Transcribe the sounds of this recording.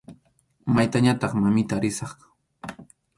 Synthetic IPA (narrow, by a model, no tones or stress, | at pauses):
majt̪aɲat̪ɑχmamɪt̪aːɾɪsɑχkḁ